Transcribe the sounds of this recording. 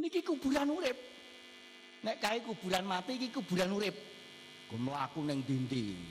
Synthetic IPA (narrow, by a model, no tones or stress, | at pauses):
nikikub̥ṳɾanuɾɪp̚ | nɛʔkaikub̥ṳɾanmat̪iːkikub̥ṳɾanuɾɪp̚ | ɡ̥oməlakunɪŋd̪̥int̪ḭ